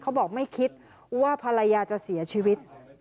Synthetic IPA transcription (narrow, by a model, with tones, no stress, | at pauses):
kʰa˦˥wbɔː˨˩k̚ma˥˩jkʰi˦˥t̪̚ | waː˥˩pʰa˧la˧jaː˧t͡ɕa˨˩ʔsi˩˦ɐt͡ɕʰiː˧wi˦˥t̪̚